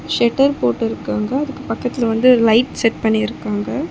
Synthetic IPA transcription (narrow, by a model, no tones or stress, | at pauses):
ʃɛʈːɐɾpoːʈːɪɾɯkːaːŋɡɐːðɯkːɯpɐkːɐt̪ːɪlɐʋɐnd̪ɯɔɾlɐɪʈsɛʈpɐɳːiɪɾɯkːaːŋɡɐ